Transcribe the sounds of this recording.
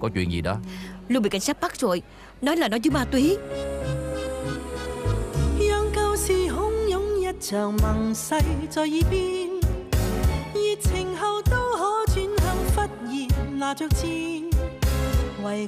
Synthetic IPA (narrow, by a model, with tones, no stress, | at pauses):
kɔ˨˦t͡ɕwḭ˧˨ənzḭ˨˩ɗɔ̰˨˦lu˧ɓḭ˨˧˨ka˨˦jŋsa˦˥t̚ma˦˥k̚zo˨˩j | nɔ˨˦jlaː˨˩nɔ˨˦jzɨ˨˦ɓaː˨˩t̪wi˨˩˦ | jɔː˧ŋkə˧wsi˧ɦʊ˨˥ŋjʊ˨˥ŋjɐ˧˥t̚t͡ɕœː˨˩ŋma˨˩ŋsɐ˧jt͡sɔː˧jiː˧˥piː˧n | ji˨˧t̚t͡sʰɪ˨˩ŋɦɐ˧wt̪o˧wɦɔ˨˥˦t͡ɕy˧˥nhə˨˧˩ŋfa˦˥t̚ji˨˩laː˨˩t͡ɕɔː˧˩k̚t͡ɕiː˧ | wɐ˨˩j